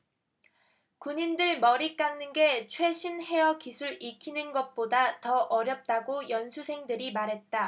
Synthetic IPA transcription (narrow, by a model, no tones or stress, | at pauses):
kuɲindɯɭmʌɾik͈aŋnɯnɡe̞t͡ɕʰwe̞ɕʰinɦe̞jʌkisʰuɭikʰinɯnɡʌt̚p͈odatʌʔʌɾjʌp̚t͈aɡojʌnsʰusʰe̞ŋdɯɾimaɾɦe̞t̚t͈a